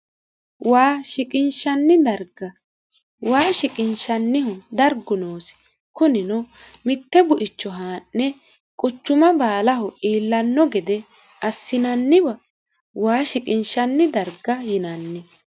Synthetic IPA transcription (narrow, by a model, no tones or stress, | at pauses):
waːʃɪkʼɪnʃɐnːɪd̪ɐɾɡɐ | waːʃɪkʼɪnʃɐnːɪhʊd̪ɐɾɡʊnoːs | kʊnɪnʊ | mɪt̪ːɛbʊʔɪt͡ʃːɔɦaːnːɛ | kʼʊt͡ʃːʊmɐbaːlɐɦʊʔiːlːɐnːɔɡɛd̪ɛ | ɐsːɪnɐnːɪbɐ | waːʃɪkʼɪnʃɐnːɪd̪ɐɾɡɐjɪnɐnːɪ